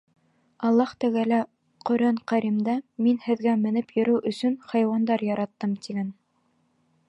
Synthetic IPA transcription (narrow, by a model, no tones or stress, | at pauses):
ɑlˠːɑht̪ɘ̆ɡælæ | qɵ̆ɾæɴqæɾimd̪ɑminhɘ̆ðɡæmɘ̆nɘpjɵ̆ɾɘwʔɵ̆sɵnχɑjwɑnd̪ɑɾjɑɾʔɑt̪ːɤmt̪iɡæn